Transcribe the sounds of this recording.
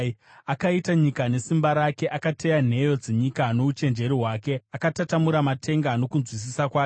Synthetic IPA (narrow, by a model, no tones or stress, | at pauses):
akaitaɲikane̞simbaɾake̞ʔakate̞jan̤e̞jo̞d͡zeɲikano̞ut͡ʃe̞nd͡ʒe̞ɾiɦwaːke̞akatatamuɾamatʰe̞ŋɡano̞kunzwis̬isakwaː